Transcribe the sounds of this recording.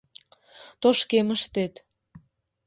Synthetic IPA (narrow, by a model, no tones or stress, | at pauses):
t̪oʃkeməʃt̪et̪